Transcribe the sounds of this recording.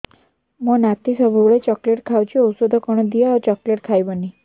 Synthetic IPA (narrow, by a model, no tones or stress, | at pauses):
mɔnat̪isəbʱuɭet͡ɕɔkleʈkʰawt͡ɕiɔwsod̪ʱɔkɔɳ̃ɔd̪ijaɔt͡ɕɔkleʈkʰajbəni